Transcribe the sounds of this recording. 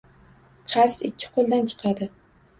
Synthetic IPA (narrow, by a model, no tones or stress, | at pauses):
qʰɑɾsɪkʲʰːɪ̥qʰolˠd̪ant͡ʃʰɨ̥qʰɑd̪ɪ